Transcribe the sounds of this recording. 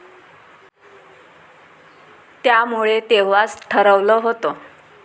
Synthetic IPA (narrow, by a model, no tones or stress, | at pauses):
t̪jamuɭet̪eʋ̤at͡sʈʰəɾəʋləɦot̪o